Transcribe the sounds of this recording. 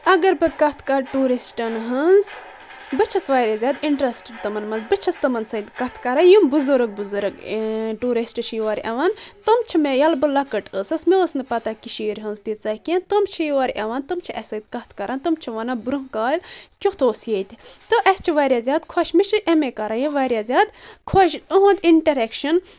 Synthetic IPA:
ɐɡɐɾbɨkɐt̪ʰkaɾʈuːɾisʈɐnɦɨnz | bɨt͡ʃʰɐsʋaːjɾʲazʲaːd̪iɳʈɾɐsʈəɖt̪ɐmɐnmɐnzbɨt͡ʃʰɐst̪ɐmɐnsɐd̪kɐt̪ʰkɐɾajumbɨzɨɾɨɡ̚bɨzɨɾɨɡʈuːɾisʈɨʃʰjiʋaɾʲɐʋant̪ɨmt͡ʃʰimejɐlbɨlɐkɐʈəsɐsmiəsnɨpɐt̪akiʃiːɾʲɦənzt̪it͡sɐhkent̪ɨmt͡ʃʰijiʋaɾʲʔɐʋant̪ɨmt͡ʃʰiʔɐsɐd̪kɐt̪ʰkɐɾʔant̪ɨmt͡ʃʰiʋɐnabɾuɦkaːlʲkʲut̪oːsjet̪ʲt̪ɨʔɐst͡ʃʰiʋaːɾʲjaːzʲaːd̪kʰoʃmiʃɨʔɐmekɐɾajiʋaɾʲjazʲjaːd̪kʰoʃəɦũnt̪iɳʈɐɾekʃɐn

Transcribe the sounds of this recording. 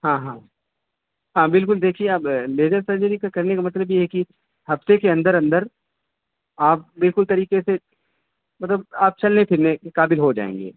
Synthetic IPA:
ɦãːɦãː | ɦãːbɪlkʊld̪eːkʰieɐbleːd͡ʒəɾsɐɾd͡ʒəɾikakɐɾnekamɐt̪ləbjeɦɛki | hɐft̪ekeɐ̃nd̪əɾɐ̃nd̪əɾ | aːp̚bɪlkʊlt̪ɐɾiːqese | mɐt̪ləbaːp̚t͡ʃɐlnepʰɪɾnekekaːbɪlɦod͡ʒa̰ːḛ̃ːŋɡḛː

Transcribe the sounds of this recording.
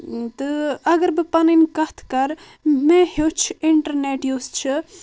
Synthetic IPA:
t̪ɨɐɡəɾbɨpɐninkɐɦt̪ʰkɐɾ | mẽɦot͡ʃʰiɳʈəɾneːʈjost͡ʃʰɨ

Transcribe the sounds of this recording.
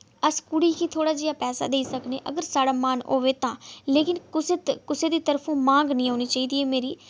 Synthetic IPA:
əskʊɽiːkiːt̪ʰoːɽaːd͡ʒiːjaːpɛːsa̰ːd̪eːiːsəkneːʔəɡəɾsaːɽaːmaːnoːʋeːt̪ãːleːkɪnkʊset̪kʊseːd̪iːt̪əɾpʰõːmãːŋɡnĩːoːniːt͡ʃaːiːd̪iːɛːmeːɾiː

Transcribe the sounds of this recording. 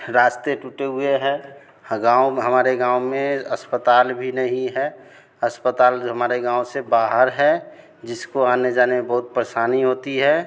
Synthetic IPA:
ɾaːst̪eʈuʈeɦʊeɦɛ | ɡãːwɦəmaːɾeɡãːʊmẽəspət̪aːlbʱinəɦĩɦɛ | əspət̪aːlɦəmaːɾeɡãːõsebaːɦəɾɦɛ | d͡ʒɪskoaːned͡ʒaːnemebəɦʊt̪̚pɾeʃaːniɦoːt̪iɦɛ

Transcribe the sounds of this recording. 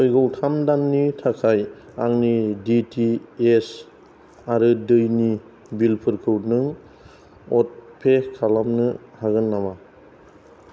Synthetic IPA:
ɔjɡɔwtʰamdanːitʰakʰajaŋniditʰies | aɾɯdɯjni | bilpʰɯɾkʰɯwnɯŋ | ɔt̚pʰekʰalamnɯhaɡɯnːama

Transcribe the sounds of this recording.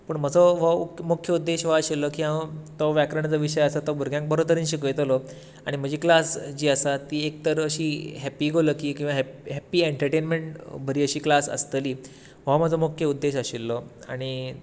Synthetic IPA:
pəɳm̤əd͡zɔʋəukmokʰjəud̪ːeɕʋaəɕilːəkiɦat̪ɔʋjakɾəɳ̃t͡səʋiɕəjasat̪ɔbʱuɾɡʱjãŋk̚bəɾot̪əɾiːnɕikəjt̪lɔ | aɽ̃im̤əd͡ʑiːklasd͡ʑiːəsat̪iːek̚t̪əɾəɕiːɦɛpiːɡʱoləːkikĩw̃ʋaɦɦɛpiːeɳʈəɾʈenmeɳʈbʱəɾiːəɕiːklasə̰st̪əliː | ʋ̤am̤əd͡zɔmokʰjəud̪ːeɕəɕilːɔa̰ɽ̃i

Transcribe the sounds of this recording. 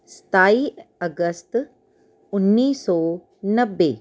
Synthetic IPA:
sə̥t̪aːiəɡəst̪ | ʊnːiːsɔː | nəbːe

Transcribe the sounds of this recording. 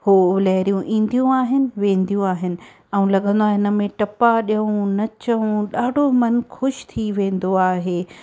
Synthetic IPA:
hoːlɛːɦɾijũʔĩːn̆d̪ijũaːɦɪnɪ̆ʋẽːn̆d̪ijũaːɦɪnɪ̆ | ɛ̃ũlɐɠə̃n̆d̪oaːɦeɪnə̆mẽʈɐpaɗijɐũnɐt͡ɕɐũɗaːɖʱomɐnxʊʃt̪ʰiʋẽːn̆d̪oaːɦeː

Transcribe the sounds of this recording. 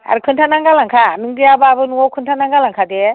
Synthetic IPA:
a̰ɾɯkʰɯntʰanaŋɡalaŋkʰanɯŋdijabaabɯnuɔkʰɯntʰanaŋɡalaŋkʰade

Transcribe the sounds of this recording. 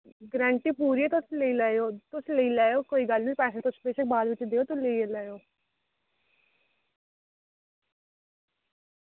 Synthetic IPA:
ɡɾɛ̃ːɳʈiːpuːɾiːɛːt̪ʊsleiːlɛːeoːt̪ʊsleiːlɛːjoːkoːiːɡəlnĩːpɛːseːt̪ʊspeːsek̚baːd̪ʋɪt͡ʃd̪eːoːt̪ʊleielɛːjoː

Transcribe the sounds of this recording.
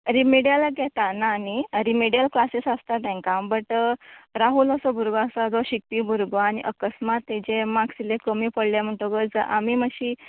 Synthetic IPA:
ɾimeɽijalaɡjɛt̪anaːniɾimeɽijəlklasesast̪aʈ̪ɛ̃ŋkabəʈɾaɦuləsəbʱuɾɡasad͡zɔɕik̚piːbʱuɾɡʋaːñḭʔəkəsmat̪ːed͡ʑemaksilekəmiːpəɽljam̤əɳʈ̪oɡəd͡zəʔamiːməɕi

